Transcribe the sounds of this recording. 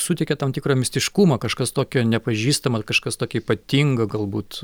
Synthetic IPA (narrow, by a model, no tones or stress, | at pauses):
sʊt̪ʲɛɪkʲɛt̪ɐmt̪ʲɪkɾɐːmʲɪsʲt̪ʲɪʃkumɐkɐʃkɐst̪oːkʲonʲɛpɐʒʲiːst̪ɐmɐkɐʃkɐst̪oːkʲɛiːpɐt̪ʲiŋɡɐɡɐlˠbuːt̪